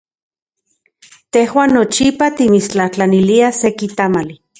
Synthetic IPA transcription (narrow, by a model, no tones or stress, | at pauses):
t̪ehwaːnːot͡ʃipat̪imit͡ʃt͡ɬaht͡ɬaniliasekit̪amali